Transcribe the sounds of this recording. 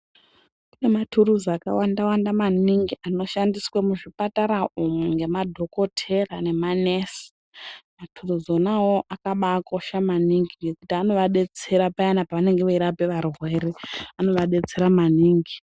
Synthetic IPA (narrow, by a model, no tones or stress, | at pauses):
kune̞matʰuɾuzaka̰wandawandamaniŋɡiano̞ʃandiswemuʐipataɾaʔumweŋɡe̞madʱo̞ko̞tʰe̞rane̞manesi̥ | matʰuruzo̞nawoʔakaɓako̞ʃamaniŋɡiŋɡe̞kutiano̞ʋaɗe̞t͡se̞ɾapajanapaʋane̞ŋɡeʋaiɾapeʋarwwe̞ːɾeano̞ʋaɗe̞t͡se̞ɾamaniːŋɡi